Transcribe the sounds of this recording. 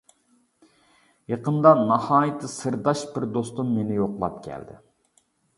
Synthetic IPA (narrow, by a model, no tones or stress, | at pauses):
jeqənd̪ɑnɑhɑːjɨt̪ʰːɨsɨɾd̪ɑʃbɪɾd̪ost̪umːenɪjoqlˠɑ̰p̚kʲʰɛ̰ld̪ɪ̰